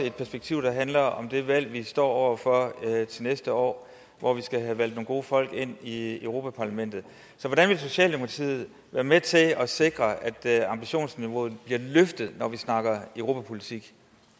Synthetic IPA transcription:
əe̝d̥pʰæɐsb̥eɡ̥̚t͡sʰiʊ̰d̥ɑ̈ɦænlɐɒ̽md̥e̝ʋæl̰ʋisd̥ɒ̰ːɒʊ̰ɐfɒt͡sʰe̝lnesd̥əɒ̰ː | ʋɒʋisɡ̥æɦæʋæl̰d̥no̝ːŋɡo̝ːəfɒ̽l̰ɡ̥e̝n̰iøʊʁo̝ːpʰæpʰɑ̈læmen̰d̥ð̩ˠ | sɒ̽ʋɒɾænʋe̝lso̝ɕɛ̰ːld̥emoɑt͡sʰḭːð̩ˠ | ʋæːɐmet͡sʰe̝ɒ̽se̝ɡ̥ʁɐæd̥ɑ̈mb̥iɕo̝̰ːnsniʋo̝ːð̩ˠb̥liɐ̰løfd̥ð̩ˠnɒʋisnɑ̈ɡ̥ɐøʊʁo̝ːpʰæpʰo̝lit͡sʰiɡ̥

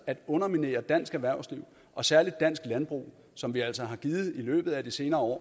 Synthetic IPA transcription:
æd̥ɔ̽nɐmine̝̰ːɐd̥æn̰sɡ̥æʋæɐʊsliʊ̰ | ʔɒ̽sæɐlid̥ːæn̰sɡ̥lænb̥ʁṵː | sɒ̽mʋiæl̰sɒɦɑ̈ɡ̥iːð̩ˠilø̰ːb̥ð̩ˠæd̥ise̝ːnɐːɒ̰ː

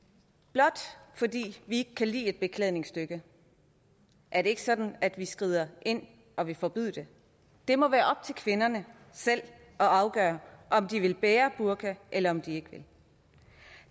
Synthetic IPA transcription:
b̥lɒ̽d̥fɒ̽dḭːʋie̝ɡ̥ə̥kʰælḭːe̝d̥̚b̥e̝kʰlɛðˠne̝ŋsd̥øɡ̥ə | ʔæɐɾe̝e̝ɡ̥əsɒ̽d̥n̩æd̥ʋisɡ̥ʁiːð̞̰ˠɐʔe̝n̰ | ɒ̽ʋe̝fɒ̽b̥yð̰ˠd̥e̝ | d̥e̝mɒ̽ʋæːɐʔɒ̽b̥̚t͡sʰe̝lkʰʋe̝nɐnə | sel̰ | ʔɒ̽ɑ̈ʊɡ̥ɶːɐʔɒ̽md̥iʋe̝lb̥eːɐb̥uɐɡ̥ʰæʔelɐɒ̽md̥ie̝ɡ̥əʋe̝l

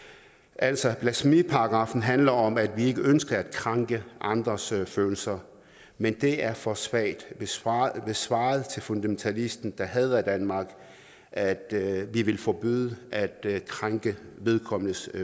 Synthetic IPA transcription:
ʔæl̰sɒb̥læsmipʰɑ̈ɑɡ̥ʁɑ̈fn̩ɦænlɐɒ̽mæd̥ʋie̝ɡ̥əønsɡ̥ɐæd̥̚kʰʁɑŋɡ̥əʔɑ̈nd̥ʁɐsføːl̩sɐ | mend̥e̝æɐfɒsʋɛ̰ːd̥ | b̥e̝sʋɑ̰̈ːð̞̩ˠt͡sʰe̝lfo̝nd̥æment͡sʰælisd̥n̩d̥ɑ̈ɦɛð̞ˠæd̥ænmɑ̈ːɡ̥ | ʔæd̥ʋiʋe̝lfɒb̥yːðˠəʔæd̥kʰʁɑŋɡ̥əʋe̝ðˠkʰɒ̽m̰ənəs

